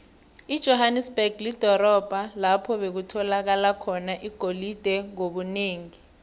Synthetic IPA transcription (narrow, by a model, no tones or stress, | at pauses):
id̥ʒ̥ʱɔɦanɛsb̥ɛɡ̥ʱlid̥ʱɔɾɔb̥ʱalapʰɔɓek̬utʰɔlak̬alakʰɔnaʔiɡ̥ʱolid̥ʱɛŋoɓuneːŋi